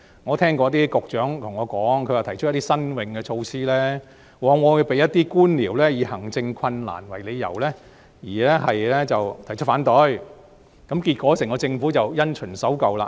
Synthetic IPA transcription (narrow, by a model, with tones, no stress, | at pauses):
ŋɔː˨˧t̪ʰɛː˥ŋkɔː˧˥t̪̬iː˥kʊ˨k̚t͡ʃœː˨˥ŋt̪ʰʊ˨˩ŋɔː˨˧kɔː˨˥ŋkʰɵ˧waː˨˩t̪ʰjʰɵ˥t̪i˥sɐ˥nwɪ˧ŋkɛː˧t͡ʃʰo˧wsiː˥lɛː˥ | wɔː˨˧ŋŋɔː˨˧˨pe˨jɐ˥t̚t̪iː˥kuː˥nliː˨˩wlɛː˥jiː˨˧hɐ˨˩ŋt͡sɪ˧ŋkʰɐ˧nla̰ː˨˩nwɐ˨˩jle˨˧jːɐ̰˨˩wlɛː˥ | jiː˨˩lɛː˥ɦɐ˨jlɛː˥t͡sɐ˨wt̪ʰjt͡ʃʰɵ˥faː˨˥nt̪ɔ˨˥j | kɐ˨˥mkiː˧t̚kʷɔː˨˥sɛː˨˩ŋkɔː˧t͡sɪ˧ŋfuː˨˥t͡sɐ˨wjɐ˥nt͡ʃʰɵ˨˩nsɐ˨˥wkɐ˨wlaː˧